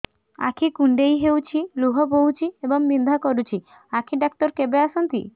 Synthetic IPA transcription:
a̰kʰikuɳɖejɦewt͡ʃʰiluɦɔbowt͡ʃʰiebɔŋmind̪ʱakɔɾut͡ʃʰi | akʰiɖak̚t̪ɔɾkebeasɔnt̪ḭ

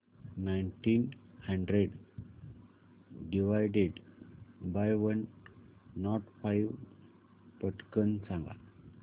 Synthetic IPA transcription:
najnʈinhəɳɖɾeɖ | ɖiʋajɖeɖ | bajʋənː | ɔʈfajʋ | pəʈkənsãŋɡa̰

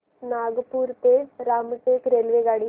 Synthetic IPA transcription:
naɡpuɾt̪eɾaːmʈ̪ekɾelʋeɡaːɽiː

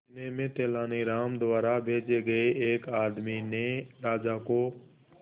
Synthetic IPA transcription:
nemẽt̪eːlaːniɾaːmd̪ʊwaːɾabʱeːd͡ʒeɡəeeːkaːd̪mineɾaːd͡ʒako

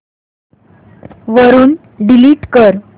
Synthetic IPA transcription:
ʋəɾuːn | ɖiliːʈkəɾ

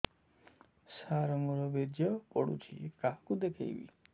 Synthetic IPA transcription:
saɾɔmɔɾɔbed̪jɔpɔɽṵt͡ʃʰḭkaɦkud̪ekʰḛjbḭ

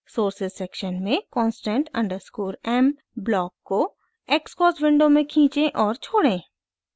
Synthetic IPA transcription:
soːɾsɪzsɛːkʃənmẽkɔːnsʈɛ̃ɳʈɐ̰̃ɳɖəɾskuːɾɛːm | blɔːkːo | eːkskɔːswɪ̃ɳɖomẽkʰĩːt͡ʃẽʔɔːɾt͡ʃʰoːɽẽː

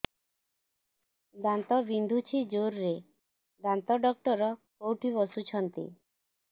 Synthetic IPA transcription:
d̪ant̪ɔbind̪ʱut͡ʃʰid͡ʒoɾːe | d̪ant̪ɔɖɔk̚ʈɔɾɔkowʈʰibɔsut͡ʃʰɔnt̪ḭ

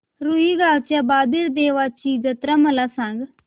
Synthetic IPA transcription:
ɾuiːɡaːt͡ʃabaːd̪ɪɾd̪eːʋaːt͡ʃiːɡət̪ɾaːməlaːsãŋɡ

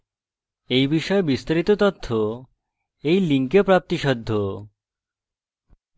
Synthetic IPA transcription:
ejbiʃɔebist̪aɾit̪ot̪ot̪ʰːo | ejliŋkepɾap̚t̪iʃɔd̪ʱːo

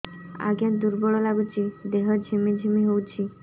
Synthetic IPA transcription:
a̰ɡjãd̪uɾbɔɭɔlaɡut͡ʃʰid̪eɦɔd͡ʒʱimid͡ʒʱimiɦowt͡ʃʰi

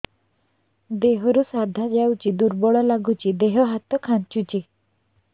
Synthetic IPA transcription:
d̪eɦɾusad̪ʱad͡ʑawt͡ɕid̪uɾbɔɭɔlaɡʱut͡ɕid̪eɦɔɦat̪ɔkʰãnt͡ɕut͡ɕi

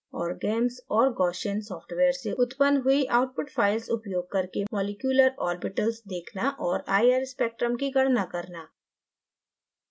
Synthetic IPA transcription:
ɔːɾɡeːmsɔːɾɡɔːʃənsɔːfʈʋeːəɾseʊt̪pənd̪ɦʊiʔaːʊʈ̚pʊʈfʰaːɪlsʊpjoːɡ̚kɐɾkemɔːlɪkjuːləɾɔːɾbɪʈəlsd̪eːkʰnaʔɔːɾaːjəɾspeːk̚ʈɾəmkiɡɐɽ̤nakɐɾnaː

